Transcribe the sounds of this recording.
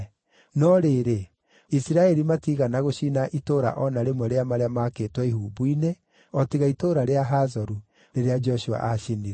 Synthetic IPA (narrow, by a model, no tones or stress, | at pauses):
nɔɾeːɾe | isiɾaɛɾimatiɣanaɣoɕiːnaʔitoːɾa̰ʔɔnaɾemɔɾeamaɾeamakeːtwɛiɦuːbuine | ɔtiɣaitoːɾaɾeaɦazɔɾu | ɾeɾead͡ʒɔʃua̰ʔaʃiniɾɛ